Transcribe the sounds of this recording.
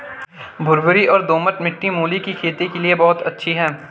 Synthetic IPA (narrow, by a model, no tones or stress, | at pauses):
bʱʊɾbʊɾiʔɔːɾd̪oːməʈmɪʈːimuːlikikʰeːt̪ekeliebɔːʊt̪ɐtːʃʰiɦɛː